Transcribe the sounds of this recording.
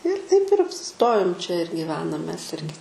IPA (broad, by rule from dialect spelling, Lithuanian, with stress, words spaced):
ɪr tɐɪp ɪr ɐpʲsʲɪˈstoːjoːm t͡ʃʲɛ ɪr ɡʲiːˈʋʲæːnɐm mʲɛs ˈɪrʲɡʲɪ